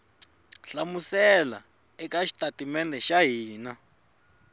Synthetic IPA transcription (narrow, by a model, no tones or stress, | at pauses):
ɬamusɛla | ɛkaʃi̥tʼatimɛnɛʃaɦiːna